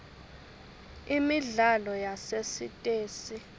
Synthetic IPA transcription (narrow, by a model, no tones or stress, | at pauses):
imiɮalɔjasesitʼeːsi